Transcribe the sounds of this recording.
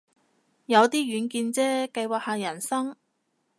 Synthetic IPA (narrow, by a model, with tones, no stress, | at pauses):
jɐ˨˧wt̪iː˥ɥyː˨˧˥nkiː˧nt͡sɛː˥kɐ˧jwaː˨k̚haː˨jɐ˨˩nsɐ˥ŋ